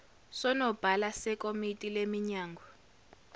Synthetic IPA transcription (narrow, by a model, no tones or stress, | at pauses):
sɔnɔb̥ʱalasɛkʼomitʼilemiɲaːŋɡʱɔ